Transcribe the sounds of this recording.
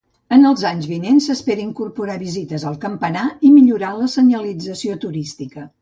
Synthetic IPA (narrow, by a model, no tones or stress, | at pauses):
ənəlˠzaɲzβinensəspeɾəiŋkurpuɾaβizit̪əzəlˠkəmpənaimiʎuɾaləsəɲəlid͡zəsiot̪uɾist̪ikə